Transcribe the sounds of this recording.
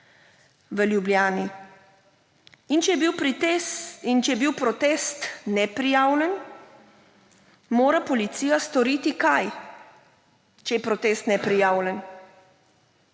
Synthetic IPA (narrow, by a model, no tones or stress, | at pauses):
ʋəljubljaːni | int͡ʃɛjɛbiwpɾ | int͡ʃɛjɛbiwpɾɔt̪ɛːst̪nɛpɾijaːwlɛn | moːɾapɔlit̪siːjast̪ɔɾiːt̪ikaj | t͡ʃɛjɛpɾɔt̪ɛst̪nɛpɾijaːwlɛn